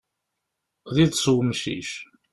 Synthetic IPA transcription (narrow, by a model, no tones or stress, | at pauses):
ðiðsˤwmʃḭʃ